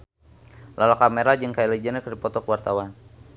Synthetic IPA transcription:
lalakameɾad͡ʒɨŋkajiled͡ʒənəkədipɔt̪ɔkəwart̪awan

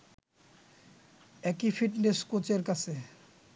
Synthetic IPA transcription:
ɛkifiʈneskot͡ɕeɾkat͡ɕʰe

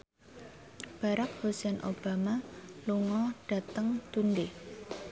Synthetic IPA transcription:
b̥a̤ɾak̚hosɛnʔob̥a̤maluŋɔɖ̥a̤t̪əŋt̪unde

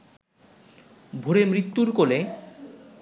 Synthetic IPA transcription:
bʱoɾemɾit̪ːuɾkole

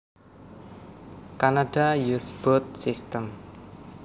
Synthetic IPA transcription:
kanadajusb̥ɔt̪̚sist̪əm

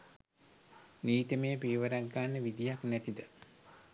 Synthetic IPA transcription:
niːt̪əmejpiːʋəɾaɡːaːnːəʋid̪ijaknæt̪id̪ə

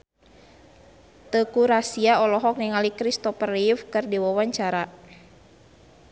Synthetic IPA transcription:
t̪əkuɾasiaɔlɔɦɔk̚niŋalikɾist̪ɔpərifkɨrdiwawaɲt͡ʃaɾa

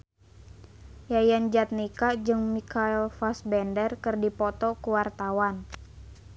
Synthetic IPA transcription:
jajand͡ʒat̪̚nikad͡ʒɨŋmikaɛlfasbɛndərkɨrdipɔt̪ɔkuwart̪awan

